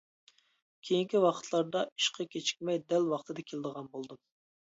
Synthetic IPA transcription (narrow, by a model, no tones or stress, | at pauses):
kʲʰejiŋkʲiwɑqʰə̥t̪ʰlˠɑɾd̪ɑi̥ʃqʰɑkʲʰet͡ʃʰi̥kʲmɛjd̪ɛlwɑχt̪ʰɨd̪ɑkʲʰeld̪əʁɑnbolˠd̪ɨm